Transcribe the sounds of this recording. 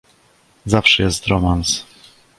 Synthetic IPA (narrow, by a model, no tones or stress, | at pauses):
zafʂɛjɛst̪ɾɔmans